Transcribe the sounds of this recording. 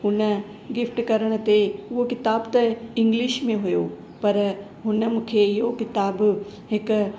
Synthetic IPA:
ɦʊnə | ɡɪfʰʈkɐɾəɽ̃t̪eokɪt̪aːbt̪ɐɪ̃ŋɡlɪʃmẽɦʊjoː | pɐɾ | ɦʊnəmʊkʰejokɪt̪aːbɦɪk

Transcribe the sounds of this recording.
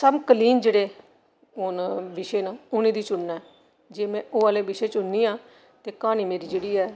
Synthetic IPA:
səbkəliːnd͡ʒeːɽeː | ʊnbɪʃeːnaːʊnĩːd̪iːt͡ʃʊnːaː | d͡ʒeːmɛ̃ːʔoːaːleːbɪʃeːt͡ʃʊnːiːãː | t̪eːkaːniːmeːɾiːd͡ʒeːɽiːɛː

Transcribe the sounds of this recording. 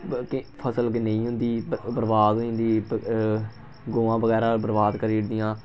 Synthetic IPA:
kpʰəsəlknəĩːɦʊ̃nd̪iːbəɾbaːd̪nd̪iː | ɡoːãːbəɡɛːɾãːbəɾbaːd̪kəɾiːɾd̪ɪjãː

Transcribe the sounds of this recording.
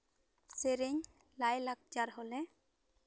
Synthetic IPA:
seɾeɲ | lajlak̚d͡ʒaɾɦɔlɛ

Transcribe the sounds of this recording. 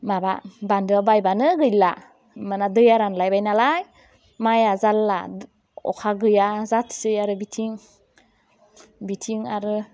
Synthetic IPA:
mababandɯabajbanɯɡɯjla | mɯnadɯjaɾanlajbajnalaj | majazalːa̰ | ɔ̰kʰaɡɯjazatʰsɯjaɾɯbitʰiŋ | bitʰiŋaɾɯ

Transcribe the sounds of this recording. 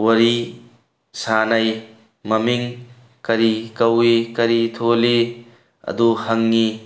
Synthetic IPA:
wɐɾi | sanɐj | mɐmiŋ | kɐɾikɐwikɐɾit̪ʰoli | ɐ̰d̪uhɐŋːi

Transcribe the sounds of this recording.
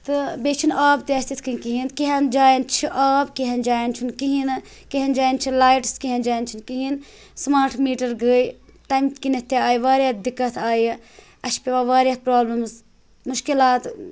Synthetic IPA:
t̪ɨbeːt͡ʃʰinaːbd̪eːst̪it̪ʰkɨinkiɦinkiɦɐnd͡ʒaːjint͡ʃʰiʔaːbkiɦɐnd͡ʒaːjint͡ʃʰunkiɦin | keɦɐnd͡ʒaːjnt͡ʃʰilaːjʈskiɦɐnd͡ʒaːjnt͡ʃʰinkiɦin | smaːɾʈʰmiːʈɐɾɡəːj | ʈamkinɐt̪ːjaaːiʋaːɾʲjaːd̪ikːɐt̪ʰaːj | ɐʃpeʋaːʋaːɾjaːpɾaːblɐmz | mʊʃkilaːt̪

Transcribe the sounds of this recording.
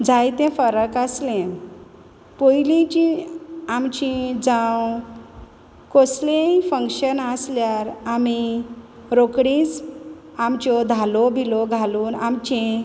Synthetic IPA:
d͡zʱajt̪ɛ̃fəɾəkəslẽ | pojlĩt͡ɕĩamt͡ɕĩd͡zãw | koslẽifə̃ŋkɕənəsljaɾami | ɾokɽĩs | amt͡ɕɔd̪ʱalɔbʱilɔɡʱaluːnamt͡ɕẽ

